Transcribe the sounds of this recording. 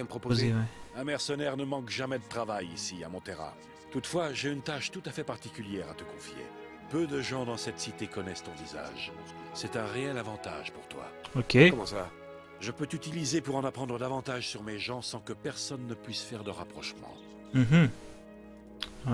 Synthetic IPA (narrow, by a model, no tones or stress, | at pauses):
məpχɔpozewɛɛ̃mɛʁsənɛʁnəmɑ̃kʒamɛd̪ət̪χavajisia̰mɔ̃t̪eʁa̰ | t̪ut̪fwaʒeynt̪aʃt̪ut̪afɛpaʁt̪ikʲyljɛʁat̪əkɔ̃fjḛ | pød̪əʒɑ̃d̪ɑ̃sɛt̪sit̪ekɔnɛst̪ɔ̃viza̰ʒ | sɛt̪ɛ̃ʁeɛlavɑ̃t̪a̰ʒpuʁt̪wa̰okʲekɔmɑ̃sva | ʒəpøt̪yt̪ilizepuʁɑ̃napχɑ̃d̪ʁəd̪avɑ̃t̪aʒsyʁmeʒɑ̃sɑ̃kəpɛʁsɔnːəpɥisfɛʁd̪əʁapχɔʃmɑ̰̃ | m̩ɦ̩